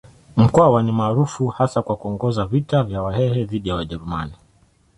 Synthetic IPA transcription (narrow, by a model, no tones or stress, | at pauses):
m̩kɔawanimaːɾufuhasakwakuɔŋɡɔzavitavjawahɛhɛðiɗijawaʄɛɾuma̰ni